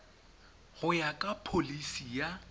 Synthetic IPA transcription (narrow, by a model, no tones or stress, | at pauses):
ɣʊjakʼapʰolisija